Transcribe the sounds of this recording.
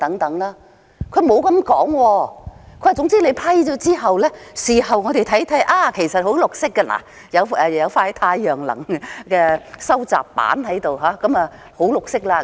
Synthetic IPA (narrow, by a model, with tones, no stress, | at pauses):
t̪ɐ˨˥ŋt̪ɐ˨˥ŋlaː˥ | kʰɵ˨˧ɥmo˨˧wkɐ˨˧mkɔː˨˥ŋwɔː˧kʰɵ˧˥a˨˩t͡sʊ˨˥ŋt͡siː˥le˨˧jpʰɐ˥jt͡ʃɔː˨˧˥t͡siː˥ɦɐ˨wlɛː˥siː˨˩ɦɐ˨wŋɔː˨˧d̪e˨jt̪ʰɐ˨˥jt̪ʰɐ˨˥jʔaː˧kʰe˨˩jsɐ˨t̚ho˨˥wlʊ˨k̚sɪ˥kːa˧na̰ː˨˩ | jɐ˨˧wɛː˨˧˨jɐ˨˧wfaː˧hɐ˨jt̪ʰaː˧jœː˨˩ŋlɐ̰˨˩ŋkɛː˧sɐ˥wt͡sa̰ː˨pːa̰ː˨˥nhɐ˨˥jt̪o˨wɦaː˨˥kɐ˨˥mɐː˨ | ho˨˥wlʊ˨k̚sɪ˥k̚laː˧